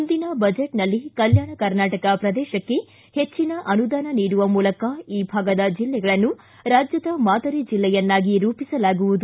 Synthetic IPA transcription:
nd̪inɐbɐd͡ʒeʈnɐlːikɐljaːɳɐkɐɾnaːʈɐkɐpɾɐd̪ɛːʃɐkːe̞ | het͡ʃːinɐʔɐnud̪aːnɐniːɽuʋɐmuːlɐkɐiːbʱaːɡɐd̪ɐd͡ʒilːɛɡɐɭɐnːu | ɾaːd͡ʒjɐd̪ɐmaːd̪ʱɐɾid͡ʒilːɛjɐnːaːɡiɾuːpisɐlaːɡuʋud̪u

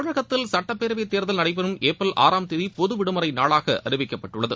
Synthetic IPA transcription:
ɻɐɣɐt̪ːɪlsɐʈːɐpːeːɾʋɐɪt̪eːɾðɐlnɐɽɐɪp̬ːɐnɯmeːpːɐlʔa̰ːɾaːmt̪ɪðipɔðɯʋɪɽɯmɐɾɐɪnaːɭaːɣɐ̰ʔɐ̰ɾɪbɪkːɐpːɐʈːɯɭːɐðɯ

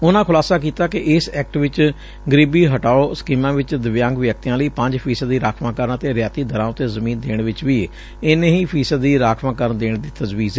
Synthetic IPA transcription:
ʊnãːkʰʊlaːsaːk̬iːt̪aːkɪʔɪsɛːk̚ʈʋɪt͡ʃ | ɡəɾiːbiːɦəʈaːoːsə̥kiːmãːʋɪt͡ʃd̪əʋjãːŋɡʋjək̚t̪ijãːləiːpə̃ɲd͡ʒpʰiːsəd̪iːɾaːkʰʋãːkəɾənt̪eːɾjaːt̪iːd̪əɾãːʊt̪ːeːzəmiːnd̪eːɳʋɪt͡ʃʋiː | ɪneɦiːpʰiːsəd̪ːiːɾaːkʰʋãːkəɾnd̪eːɳd̪iːt̪əzʋiːzeː

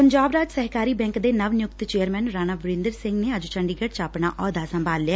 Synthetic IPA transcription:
pəɲd͡ʒaːbɾaːd͡ʒsəɦkaːɾiːbɛ̃ːŋkd̪eːnəʋnɪjʊkt̪t͡ʃeːəɾmɛ̃ːnɾaːnaːbɪɾɪ̃nd̪əɾsɪŋɡneːəd͡ʒt͡ʃəɳɖiːɡəʈt͡ʃaːpɳaːʔɔːd̪aːsəmbʱaːlːjaː

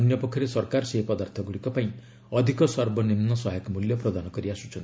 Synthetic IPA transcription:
njɔpɔkʰjɔɾesɔɾkaɾɔseɦpɔd̪aɾt̪ʰɔɡuɽikɔpaĩ | ɔd̪ʱikɔsɔɾbɔnimnɔsɔɦjɔkmuljɔpɾɔd̪anɔkɔɾiasu̥t͡ʃʰɔnt̪i

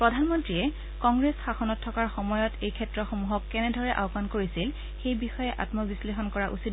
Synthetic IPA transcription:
pɹɔdʱanmɔntɹiɛ | kɔŋɡɹesxaxɔnɔtʰːɔkaɹxɔmɔjɔtʰejkʰɛtɹɔxomuɦɔkːɛnɛdʱɔɹɛʔa̰ʊkankoɹisil | xejbixɔjɛʔa̰tmɔbislexɔnkɔɹaʔusit̚

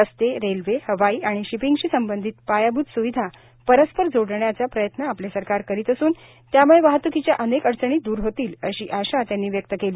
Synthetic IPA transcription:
əst̪eɾelʋehəʋaiːaɽ̃iɕipiŋɡɕiːsəmbənd̪ʱiːt̪̚pajabʱuːd̪suʋid̪ʱa | pəɾəspəɾd͡zoɽɳjat͡sapɾəjət̪naːplesəɾkaɾkəɾiːt̪əsuːn | t̪jamuɭeʋaɦət̪ʋukʰit͡ɕjaʔənekəɽt͡səɳ̃iːd̪uːɾɦot̪iːləɕiːʔaɕat̪janːiːʋjək̚t̪əkeliː

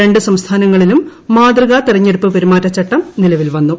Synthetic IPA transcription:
e̞ɳɖɨsɐmst̪ʰaːnɐŋːɐɭilumːaːd̪rɐɣat̪irɐɲːeɽupːɨpɐɾimaːtːɐt͡ɕːɐʈːɐmnilɐʋilʋɐnːu

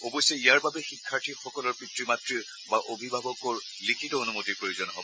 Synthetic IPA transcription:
obɔjsɔiaɹbabɛxikʰːaɹtʰixɔkɔlɔɹpɹitɹimatɹi | baʔobʱibʱabɔkɔɹ | likʰitɔonumotiɹpɹojuzɔnɦɔ̰bɔ

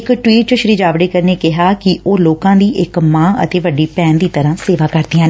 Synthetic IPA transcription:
kʈwiːʈ̚t͡ʃʊʃɾiːd͡ʒaːʋɽeːkəɾneːkɪɦaːkɪʔoːloːkãːd̪iːʔɪkmãːə̰t̪eːʋəɖiːpɛ̃ːnd̪iːt̪əɾãːseːʋaːkəɾd̪ɪːãː

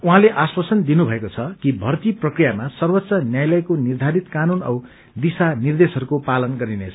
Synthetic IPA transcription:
uɦãleʔaswasʌnd̪inubʱʌekot͡sʰʌkibʱʌrt̪iprʌkrijamasʌrwʌt̪ːsʌnjajlʌjkonird̪ʱaɾit̪kanunʌw | d̪isanird̪esɦʌɾukopalʌnɡʌɾinet͡sʰʌ̥

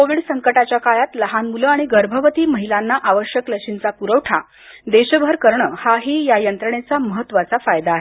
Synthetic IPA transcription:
koʋiːɽsəŋkəʈat͡ɕjakajat̪ləɦanmuləaɽ̃iɡəɾbʱəʋət̪iːməɦilanːaʔaʋəɕjəkləkʂint͡sapuɾəʋʈʰa | d̪eɕəbʱəɾkəɾɳəhaɦiːjajənt̪ɾəɳ̃et͡saməɦət̪ːʋat͡safajd̪aːɦe

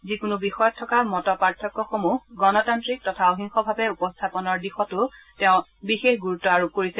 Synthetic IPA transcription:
zikʊnubixɔjɔtʰːɔkamɔtɔpaɹtʰːɔkːɔxomuɡɔnɔtantɹik̚tɔtʰaɔɦiŋxɔbʱabɛupɔstʰapɔnɔɹdixɔtʊtɛʊ̃bixexɡuɹutːɔaɹup̚koɹisɛ

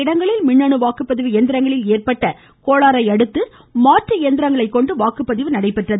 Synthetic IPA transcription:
ɪɽɐŋɡɐɭɪlmɪɳːɐɳɯʋaːkɯpːɐðɪʋɯjɛnd̪ɪɾɐŋɡɐɭɪleːrpɐʈːɐ | koːɭaːɾɐɪɐɽɯt̪ːɯ | maːʈrɯjɛnd̪ɪɾɐŋɡɐɭɐɪkːɔɳɖɯʋaːkɯpːɐðɪʋɯnɐɽɐɪpːɛʈrɐð

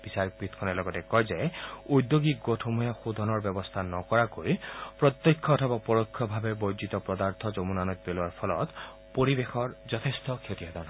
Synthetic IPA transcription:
b̥isaɾikbɾit̪ʰkʰɔnelɔɡɔtekɔjd͡ʒajujd̪joɡiɡotʰɔmujaxud̪ʱɔnɔɾbjɔbɔst̪ʰanɔkɔɾakojpɾɔt̪jɔkʰːɔːt̪ʰɔbapɔɾɔkʰːɔbʱabebojd͡ʒit̪ɔpɾɔd̪aɾt̪ʰɔd͡ʒɔmunanɔt̪̚peluaɾpʰɔlɔ̰t̪ | poɾibexʰɔɾd͡ʒɔt̪ʰest̪ɔkʰet̪iɔd̪ɔn

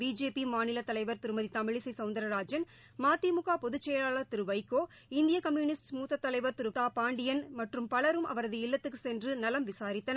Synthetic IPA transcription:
biːd͡ʒeːpimaːnɪlɐt̪ːɐlɐɪʋɐɾt̪ɪɾɯmɐðit̪ɐmɪɻɪsɐɪsɐʊnd̪ɐɾɐɾaːd͡ʒɐn | maːt̪imʊɣaːpɔðɯt͡ʃːɛjɐɭaːɭɐt̪ɪɾɯʋɐɪkːoː | ɪnd̪ɪjɐkɐmjuːnɪsʈmuːt̪ːɐt̪ːɐlɐɪʋɐɾt̪ɪɾɯtaːpaːɳɖɪjɐnmɐʈrɯmpɐɭɐɾɯmʔɐ̰ʋɐɾɐðɯɪlːɐt̪ːɯkːɯsɛndrɯnɐlɐmʋɪsaːɾɪt̪ːɐnɐ

